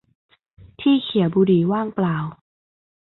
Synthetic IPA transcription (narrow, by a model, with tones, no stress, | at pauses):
t̪ʰiː˥˩kʰi˨˩˦wbuː˧diː˨˩˦waː˥˩ŋplaː˨˩w